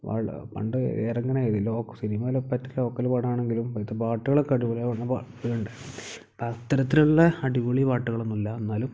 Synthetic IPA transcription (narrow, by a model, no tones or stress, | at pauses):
ʋa̰ːɭ̰pɐ̰ɳɖɨḛːrɐŋːɐɳeðiloːkːɐsiɾimaːlɐpɐtːɐlo̞ːkːɐlupaːɽaːɳeŋɡilumpɐt̪ːɐpaːʈːuɣɐɭekɐɽiʋuɭijaʋɐɳːɐpaːʈːuɣɐɳɖɨ | pɐt̪ːɐɾɐt̪ːiluɭːɐɐɖiʋuɭipaːʈːuɣɐɭonːulːɐenːaːlum